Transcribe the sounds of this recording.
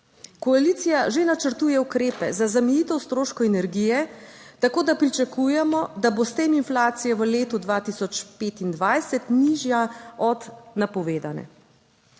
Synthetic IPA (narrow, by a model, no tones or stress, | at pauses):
kɔalit̪sijaʒenat͡ʃəɾt̪uːjɛukɾeːpɛzazamɛjiːt̪ɛwst̪ɾoːʃkɔɛnɛɾɡijɛt̪akoːd̪apɾit͡ʃakuːjɛmɔd̪abost̪eːminflaːt̪sijɛʋəleːt̪ud̪ʋaːt̪isɔt͡ʃpeːt̪ind̪ʋajsɛt̪niʒjaɔd̪napɔʋeːd̪anɛ̰